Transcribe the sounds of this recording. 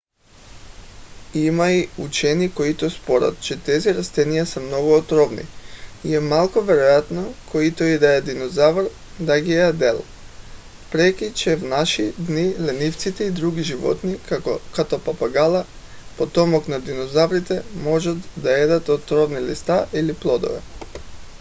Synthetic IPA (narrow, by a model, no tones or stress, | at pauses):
imaiut͡ʃɛnikoit̪ospoɾa̰t̪t͡ʃɛt̪ɛziɾast̪ɛnijasɛmnoɡuot̪ɾɔvnḭiɛmalˠkɔvɛɾojat̪nokʰoit̪oid̪ajad̪inozavɾ | d̪aɡiad̪ɛlˠ | pɾɛkit͡ʃɛvnaʃid̪nilɛnift̪sit̪ɛid̪ɾuɡiʒivɔ̰t̪nikat̪ɔpapaɡalˠa | pɔt̪ɔmɔknad̪inozavɾit̪ɛmɔʒat̪d̪aed̪at̪ot̪ɾɔvnilist̪aʔiliplˠɔd̪o̰vɛ̰